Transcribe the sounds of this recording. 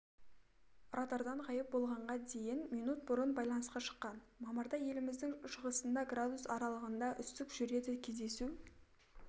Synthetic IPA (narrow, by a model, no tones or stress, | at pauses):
rʔɑt̪ɑɾd̪ɑɴqʰɑjəp̚bo̞lˠʁɑɴʁɑd̪e̞jɪnminut̪̚bʊɾənbɑjlˠɑnəsqɑʃə̥qːɑnmɑməɾd̪ɑje̞lɪmɪzd̪ɪŋʃəʁəsənd̪ɑɡrad̪usɑɾɑlˠəʁənd̪ɑʔʏst̪ɪkʒ̥ʏɾe̞d̪ɪkʲʰe̞zd̪e̞su